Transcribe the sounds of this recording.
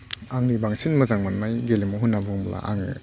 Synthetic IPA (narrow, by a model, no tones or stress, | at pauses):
aŋnibaŋsinmɐzaŋmanmajɡelimuɦunːabɔŋbla̰ʔaŋɯ̰